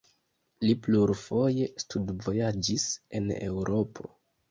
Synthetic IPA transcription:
lipluɾfo̞je̞studvo̞jad͡ʒise̞̰ne̞̰wɾo̞pʰo̞̰

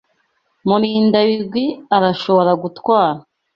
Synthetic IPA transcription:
muɾiːndaβiɾɡwiaɾaʃoβo̞ɾaɡutwaːɾa

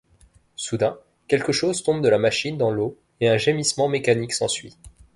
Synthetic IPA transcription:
sud̪ɛ̃ | kʲɛlkəʃozt̪ɔ̃bd̪əlamaʃind̪ɑ̃lo | eɛ̃ʒemismɑ̃mekaniksɑ̃sɥi

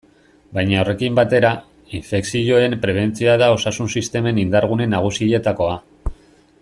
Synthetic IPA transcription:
bajɲao̞re̞kimbat̪e̞ɾa | iɱfe̞ksiʎo̞e̞mpɾe̞β̞e̞nt͡siaðao̞sasunsist̪e̞me̞nind̪aɾɣ̞une̞nːaɣ̞usie̞t̪ako̞a

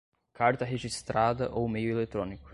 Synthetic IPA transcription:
kaɾt̪ɐɦeʒist̪ɾad̪ɐʔowmejʊelet̪ɾõnikʊ̥

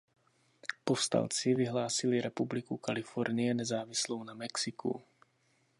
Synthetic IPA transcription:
pofst̪a̰lt͡sɪvɪɦlaːsɪlɪɾɛpublɪkukalɪfoɾnɪjɛnɛzaːvɪslownamɛksɪkʰṵ

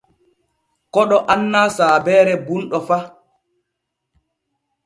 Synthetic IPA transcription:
kɔɗɔʔanːaːsaːbɛːɾɛbunɗɔfa

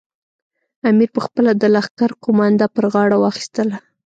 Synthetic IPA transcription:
amiɾpəxpəlad̪əlaxkaɾqʊmɑnd̪apəɾɣɑɽawɑxi̥st̪əla

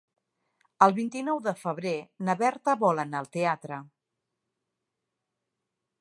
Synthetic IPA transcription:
əlˠβint̪inɔwðəfəβɾenəβɛɾt̪əβɔlənalˠt̪eat̪ɾə

